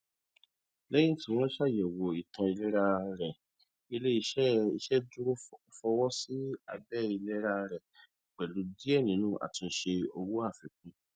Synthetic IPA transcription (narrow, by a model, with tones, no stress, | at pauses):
lɛ˦jĩ˦˨tĩ˨w̃ɔ̃˦ʃa˦˨jɛ˨wo˨i˨tʰã˧i˧lɛ˦ɾa˧ɾɛ˨ | i˧le˦i˧˦i˧˦ʃɛ˦du˦ɾo˦fɔ˧wɔ˦si˦a̰˧bɛ˦˨i˧lɛ˦ɾa˧ɾɛ˨ | k͡pɛ˨lu˨˦di˦ɛ˦˨nĩ˨˦nũ˦ʔa̰˨tĩ˧ʃe˧o˧wu˦a˦˨fɛ˨˦k̚ũ˧